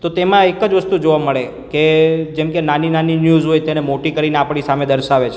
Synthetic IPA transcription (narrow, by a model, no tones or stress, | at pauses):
t̪ot̪emãekəd͡ʒʋəst̪ud͡ʒoʋaməɭe | ked͡ʒemkenaninaninjuzɦojt̪enemoʈikəɾineapɳisamed̪əɾʃaʋet͡ʃʰ